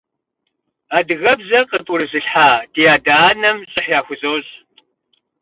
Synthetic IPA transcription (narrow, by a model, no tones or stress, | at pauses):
aːdɨɣɐbzɐqəpʷʼʊɾɨzɨɬħaːd̥ijaːdaːnɐmɕʼɪħjaːxʷʊzoːɕʼ